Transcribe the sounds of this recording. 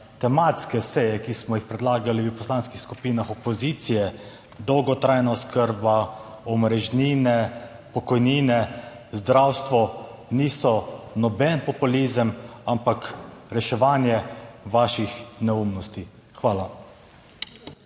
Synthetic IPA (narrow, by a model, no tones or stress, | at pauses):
t̪ɛmat̪skɛsɛjɛkismɔjixpɾɛd̪laːɡaliwpɔslaːnskixskupiːnaxɔpɔziːt̪sijɛ | d̪ɔwɡɔt̪ɾajnaɔskəɾba | ɔmɾɛʒniːnɛ | pɔkɔjniːnɛ | zd̪ɾawst̪ʋɔniːsɔnɔbɛnpɔpuliːzəmampakɾɛʃɛʋaːnjɛʋaʃixnɛumnɔst̪i | xʋaːla